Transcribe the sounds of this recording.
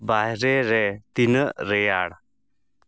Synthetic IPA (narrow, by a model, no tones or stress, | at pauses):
baɦɾɛɾɛt̪inəɾɛjaɽ